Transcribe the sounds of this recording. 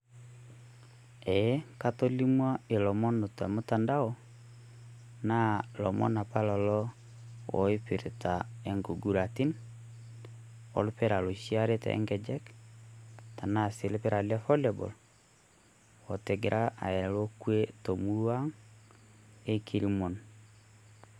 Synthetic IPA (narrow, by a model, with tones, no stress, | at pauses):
ɛ˨˦ka˦to˦li˦mwa˦e˨lɔ˨mɔ˦no˨ta̰˨mo˦ta˨nda˦ɔ˦ | na˦lɔ˨mɔ̰˦na˨pa˦lɔ˨lɔ˦ | wɔ̰˨i˦pi˨ɾe˨ta˨e˨ŋɡo˨ɡu˨ɾa˨ti˦n | ɔ̰˨lpɛ˦ɾa˨lo˨ʃi˦a˦ɾe˦ta̰˨ɛ̰˦ŋɡɛ˨d͡ʒɛ˦k | ta˨na˦˨se˨le˦pɛ˦ɾa˨lɛ˦fɔ˦lɛ˨bɔ̰˨l | wɔ˨tɛ˨ɡe˨ɾʔa˦ʔa̰˨ɛ˨lo˦kwe˦to˨mu˦ɾwa˦ŋ | e˦kʰi˦ɾi˦mo˨n